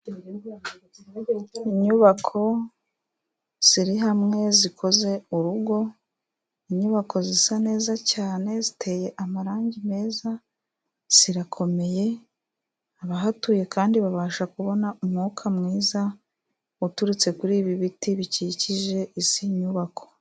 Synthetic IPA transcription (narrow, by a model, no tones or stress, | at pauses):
iɲuβakʰo̞ | z̥iɾiɦamŋe̞zikʰo̞ze̞uɾuɡo̞ | iɲuβako̞zisane̞ːzacaːne̞zitʰe̞ːje̞ʔamaɾaːɲɟime̞ːza | z̥iɾakʰo̞me̞je̞ | aβaɦatuːje̞kaːndiβaβaːʃakuβo̞naumŋuːkʰamŋiːza | utuɾut͡se̞kuɾiːβiβitiβiciciʒe̞ʔisiɲuβakʰo̞̥